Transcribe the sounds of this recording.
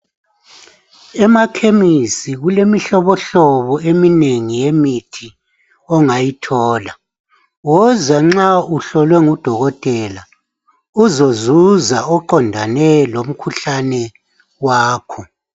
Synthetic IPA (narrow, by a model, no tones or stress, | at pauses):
ɛmakʰemisiɣulemiɬɔβɔɬɔβɔemineŋijemitʰi | ɔŋajitʰɔːla | wɔzaŋ͡ǁauɬɔlwɛŋud̥ʱɔɣɔtʼɛla | uzozuzaɔǃɔndʱanɛlom̩kʰuɬanɛ | waːkʰɔ